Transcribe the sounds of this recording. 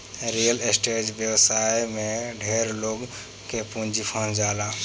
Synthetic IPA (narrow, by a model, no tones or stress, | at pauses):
ɾijəlesʈed͡ʒbjəwsajmẽɖʱeɾloɡ | kepũnd͡ʒipʰə̃nd͡ʒaːla